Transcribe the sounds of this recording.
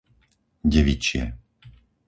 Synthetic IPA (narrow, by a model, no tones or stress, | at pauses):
ɟɛʋit͡ʃɪɛ̰